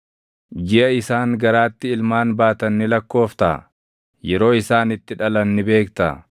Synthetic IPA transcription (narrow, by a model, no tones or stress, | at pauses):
d͡ʒɪʔɐɪsaːŋɡɐɾaːt̪ːɪɪlmaːnbaːt̪ɐnːɪlɐkːo̞ːft̪a̰ | jɛɾo̞ːɪsaːnɪt̪ːɪᶑɐlɐnːɪbe̞ːkt̪ɐ